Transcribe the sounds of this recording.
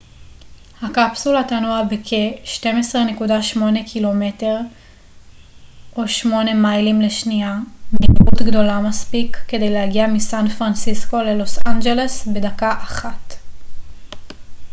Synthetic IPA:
hakapsulatanuabekʰeʃte̞mesʁene̞kudaʃmo̞ne̞kʰilo̞me̞te̞ʁ | ʔo̞ʃmo̞ne̞majlimle̞ʃniamnibut̪ɡdo̞lamaspikːe̞de̞jlehaɡiamisanfʁansisko̞le̞lo̞sand͡ʒele̞sbe̞dakaʔaχat

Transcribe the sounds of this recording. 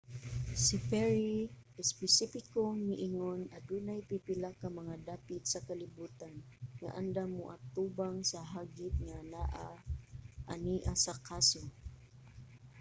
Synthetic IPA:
sɪpɛɹiʔɪspɛsifɪkoŋnɪʔɪŋonɐd̪uːnajpipɪlakɐmɐŋad̪aːpɪt̪sɐkɐlɪbuːt̪an | ŋa̰ʔa̰nd̪amoʔat̪uːbaŋsɐɦaɡɪt̪̚ŋanaʔa | ʔaniːʔasɐkaso

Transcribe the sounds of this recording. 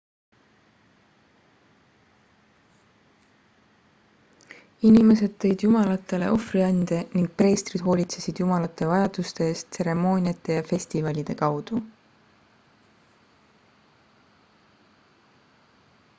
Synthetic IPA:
inime̞se̞d̪̥̚t̪e̞jd̪̥jumɑlɑt̪ːˑe̞le̞̰o̞friɑnd̪̥e̞niŋɡ̥̚pre̞ːst̪rid̪̥ɦo̞ːlʲit̪se̞sid̪̥jumɑlɑt̪ːˑe̞vɑjɑd̪̥ust̪e̞eːst̪se̞ɾe̞mo̞ːnʲiɑt̪ːˑe̞jɑfe̞sʲt̪ivɑlʲid̪̥e̞kɑwd̪̥u

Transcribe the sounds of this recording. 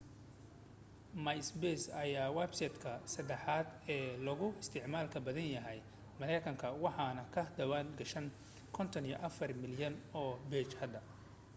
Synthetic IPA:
mɐjsbɛsɐjaːwɛbsɛt̪kʰɐsɐd̪ɛħɑːd̪ɛːlɐɣʊɪst̪ʰɪʕmaːlkʰɐbɐðɐnjɐɦɛj | mɐlɛjkʰɐŋkʰɐwɑħɑnɐkʰɐd̪ɐwaːnɡɐʃɐn | kʰɔnt̪ʰɐnijɔ̰ʔɐfɐrmɪljɐnɔːbɛːt͡ʃhɐd̪ːɐ

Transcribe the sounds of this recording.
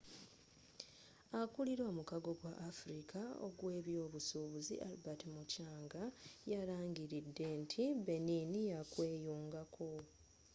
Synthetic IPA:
akuliɾwomukaɡo̞ɡwaʔːfuɾikʰao̰ɡwe̞ːβjo̞ːβusuːβuzḭʔalbatimucaːŋɡajaɾaːŋɡiɾidːe̞ntʰibe̞ninijakwe̞ːjuːŋɡakʰo̞

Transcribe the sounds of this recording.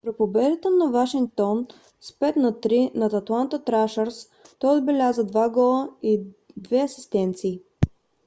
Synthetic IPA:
pɾipobɛd̪ət̪ənɐvaʃiŋk̚t̪ɔn | spɛt̪nɐt̪ɾinɐt̪ɐt̪lˠant̪ət̪ɾaʃəɾs | t̪ɔjod̪bɛlʲazəd̪vaɡɔlˠəid̪vɛɐsi̥st̪ɛnt̪siː

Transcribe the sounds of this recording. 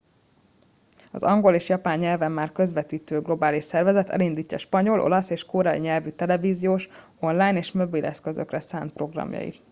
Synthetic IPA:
ɒ̰zɒŋɡo̞leːʃjɒpaːɲːɛlvɛmːaːrkø̞zʋɛt̪iːt̪øːɡlo̞baːliʃsɛrvɛzɛt̪ɛ̰lind̪iːcːɒʃpɒɲo̞lʔo̞̰lɒseːʃkoːɾɛiɲɛlvyt̪ɛlɛviːzijoːʃ | o̞nlaːjneːʃmo̞bilʔɛskø̞zø̞krɛsaːnt̪pro̞ɡrɒ̰mjɒ̰ḭ

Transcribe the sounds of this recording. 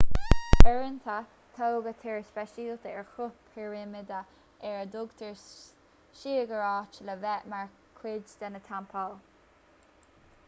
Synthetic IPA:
bɛɹənt̪ʰa | t̪ʰowɡət̪ʰɛɹspɛʃiːlt̪əɛɹxʊpʰɛɹɪmɪd̪a | ɛɹəd̪ʊɡt̪ʰəɹ | ʃiːəɡəɹɑːt͡ʃələvɛʔmaɹ | kʰɾɪd͡ʒd̪anət̪ʰampʰal

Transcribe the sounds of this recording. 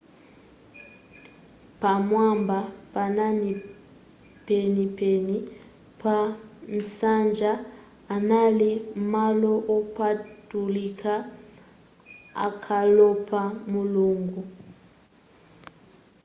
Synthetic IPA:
pamwambapanani | penipɛni | pʰan̩sand͡ʒaː | nalimalɔʔɔpatulikʰa | a̰kʰalɔpʰamuluŋɡu

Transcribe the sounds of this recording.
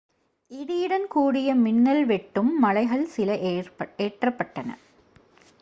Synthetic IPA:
ɪðɪjɪɽɐnkuːɽɪjɐmɪnːɐlʋɛʈːɯmːɐlɐɪɣɐɭsɪlɐʔeːʈrɐpːɐʈːɐnɐ̰

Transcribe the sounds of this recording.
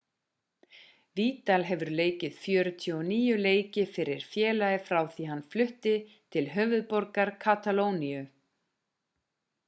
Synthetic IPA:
viːt̪alɦɛvʏɾleːjcɪð̥fjœːɾʏt̪ʰjɔniːjʏleːjcɪfɪɾɪɾ̥fjɛːlajɪfɾaːwθiɦanːflʏht̪ɪ | t̪ʰɪlɦœːvʏðpɔɾkaɾ̥kʰat̪aloːwniʏ

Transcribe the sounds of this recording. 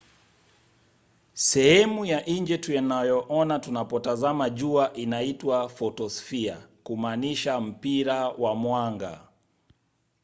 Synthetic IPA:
sɛhɛmujaʔiɲd͡ʒɛtujanajɔʔɔnatunapɔtazamaʄuaʔinaitwafɔtɔsfia̰kumaniʃam̩piɾawamwaŋɡa̰

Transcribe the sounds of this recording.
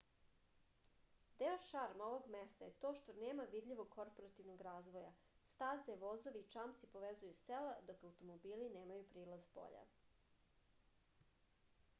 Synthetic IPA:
d̪eoʃaɾmaoʋo̞ɡmest̪ajet̪o̞ːʃt̪oneːmaʋid̪ʎiʋoɡ̚kʰoɾpoɾat̪iʋnoɡɾaːzʋoja | st̪aːzɛʋo̞zoʋiːt͡ʂamt̪sipo̞ʋezujuselad̪o̞kawt̪omobiːlineːmajupɾiːlazbo̰ʎa̰

